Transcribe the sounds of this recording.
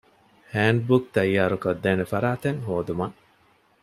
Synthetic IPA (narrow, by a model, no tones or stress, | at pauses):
hæːɳɖ̚buk̚t̪ɐjːaːɾukɐd̪ːɛːnefɐɾaːt̪eŋɦoːd̪umɐ